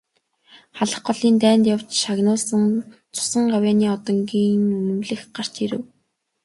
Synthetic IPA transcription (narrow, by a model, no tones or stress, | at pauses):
χaɮə̆χɢɔɮiːnt̪æːnt̪jawt͡ɕʃaɣnʊːɮsə̆n | t͡sʰʊ̥sə̆ŋɢawʲjaːniːɔt̪ɞ̆ŋɡiːŋnɵmɵ̆mɮɘ̆xɢar̥t͡ɕiɾɘ̰̆w